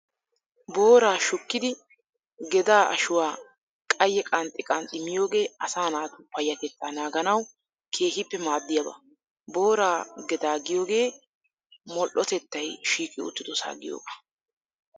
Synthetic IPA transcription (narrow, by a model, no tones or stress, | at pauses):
bo̞ːɾaːʃʊkːɪd̪ɪ | ɡɛd̪aːʔɐ̰ʃʊwaː | kʼɐjːɛkʼɐnt̪ʼːɪkʼɐnt̪ʼːɪmɪjo̞ːɡe̞ːɐsaːnaːt̪pɐjːɐt̪ɛt̪ːaːnaːɡɐnɐw | kʰe̞ːɦɪpːɛmaːd̪ːɪjɐbɐ̰ | bo̞ːɾaːɡɛd̪aːɡɪjo̞ːɡe̞ː | mɔlʔɔt̪ɛt̪ːɐjʃiːkʼɪʊ̰t̪ːɪd̪ɔsa̰ːɡɪ̰jo̰ːbɐ̥